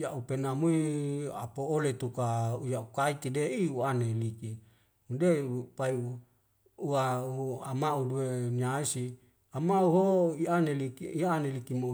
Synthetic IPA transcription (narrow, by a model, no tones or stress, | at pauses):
jaʔupenamuia̰poolet̪ukaujaukait̪ideiuaneliki | undepaiu | uauamaudueniaisi | amauɦoianelikiianelikimo